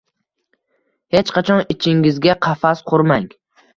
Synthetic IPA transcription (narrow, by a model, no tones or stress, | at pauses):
he̞t͡ʃqʰɑt͡ʃʰɒnɪt͡ʃʰɪŋɪzɡʲaqʰɑfasqʰʊɾmaŋ